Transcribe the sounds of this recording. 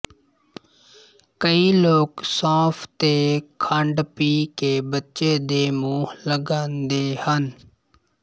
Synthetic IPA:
kəiːloːksãːpʰt̪eːkʰəɳɖpiːkeːbətːʃeːd̪eːmuːhləɡãːnd̪eːhən

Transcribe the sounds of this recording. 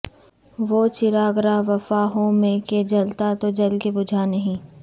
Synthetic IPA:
ʋoːt͡ʃɪɾaːɡɾaʋɐfaːɦõmẽked͡ʒɐlt̪at̪od͡ʒɐlkebʊd͡ʒʱanɐɦĩː

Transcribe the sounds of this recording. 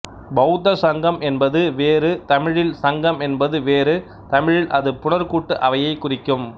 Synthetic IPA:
bɐɦʊt̪ːɐsɐŋɡɐmɛnbɐðɯʋeːɾɯt̪ɐmɪɻɪlsɐŋɡɐmɛnbɐðɯʋeːɾɯ | t̪ɐmɪɻɪlʔɐðɯpʊɳɐɾkuːʈːɯʔɐʋɐjɐɪkːʊrɪkːɯm

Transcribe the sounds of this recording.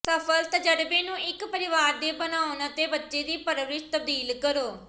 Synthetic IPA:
səpʰəlt̪əd͡ʒəɽbeːnũːɪkpəɾɪʋaːɾd̪eːbənaːonət̪eːbətːʃeːd̪iːpəɾʋɾɪʃt̪əb̚d̪iːlkəɾoː

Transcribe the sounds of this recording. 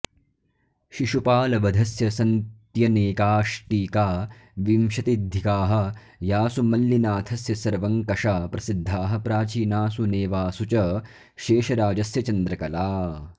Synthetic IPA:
ʃiʃupaːlɐʋɐd̪ʱɐsjɐsɐnt̪jɐneːkaːʃʈiːkaːʋimʃɐt̪id̪ʱikaːɦɐ̆ | jaːsumɐlːinaːt̪ʰɐsjɐsɐɾʋɐŋkɐʃaːpɾɐsid̪ʱːaːɦɐ̆pɾaːt͡ʃiːnaːsuneːʋaːsut͡ʃɐ | ʃeːʃɐɾaːd͡ʒɐsjɐt͡ʃɐnd̪ɾɐkɐlaː

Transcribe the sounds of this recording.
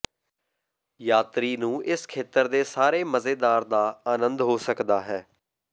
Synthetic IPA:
jaːt̪ɾiːnũːʔɪskʰeːt̪əɾd̪eːsaːɾeːməzeːd̪aːɾd̪aːaːnənd̪ɦoːsəkd̪aːɦɛː

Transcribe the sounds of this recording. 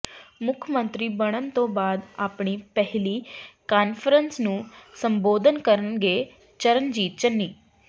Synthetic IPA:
mʊkʰəmə̃nt̪ɾiːbəɽ̃ənt̪õːbaːd̪aːpɳ̃ipɛɦlikaːnpʰəɾənsnũːsə̃mboːd̪ʱənkəɾənɡeː | t͡ʃəɾənd͡ʒiːt̪t͡ʃənːiː

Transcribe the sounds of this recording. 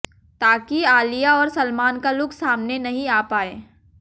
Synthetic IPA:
t̪aːkiaːlijaɔːɾsɐlmaːnkalʊksaːmnenɐɦĩaːpaːeː

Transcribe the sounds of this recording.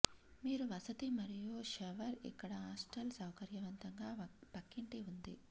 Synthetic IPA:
miːɾuʋɐsɐt̪imɐɾijoːʃɐʋɐɾḭkːɐɽɐaːsʈɐlsɐwkɐɾjɐʋɐnt̪ɐŋɡaːpɐkːiɳʈiund̪ḭ

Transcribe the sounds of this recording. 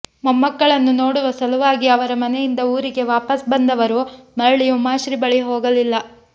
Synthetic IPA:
mɐmːɐkːɐɭɐnːunoːɽuʋɐsɐluʋaːɡiɐʋɐɾɐmɐne̞jind̪ɐuːɾiɡe̞ʋaːpɐsbɐnd̪ɐʋɐɾumɐɭɭijumaːʃɾibɐɭiɦoːɡɐlilːɐ

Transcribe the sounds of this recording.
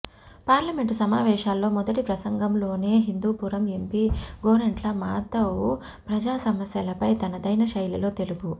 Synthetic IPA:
paːɾlɐme̞ɳʈsɐmaːʋɛːʂaːlːo̞ːmɔd̪ɐʈipɾɐsɐŋɡɐmlo̞ːne̞ːɦind̪uːpuːɾɐmempiɡoːɾeɳʈlɐmaːt̪ɐwu | pɾɐd͡ʒaːsɐmɐsjɐlɐpɐjt̪ɐnɐd̪ɐjnɐʃɐjlɐlo̞ːt̪e̞luɡu

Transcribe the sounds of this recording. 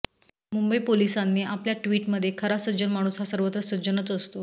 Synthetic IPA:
mumbəipolisanːeːʔapljaʈʋiːʈməd̪ʱːjekʰəɾasəd͡ʑənmaɽ̃uːsɦasəɾʋət̪ɾəsəd͡ʑənət͡səst̪o

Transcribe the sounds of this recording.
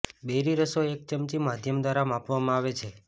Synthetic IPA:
beɾiɾəsoek̚t͡ʃəmt͡ʃimad̪ʱjəmd̪ʋaɾamapʋamãaʋet͡ʃʰe

